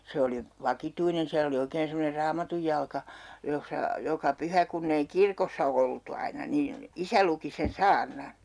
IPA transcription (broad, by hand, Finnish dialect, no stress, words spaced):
se oli ʋɑkituinen siæl oli oikeːn semːoner rɑːmɑtujːɑlkɑ josːɑ jokɑ pyhæ kunː ei kirkosːɑ oltu ɑinɑ niːn̞ isæ luki sen sɑːrnɑn̞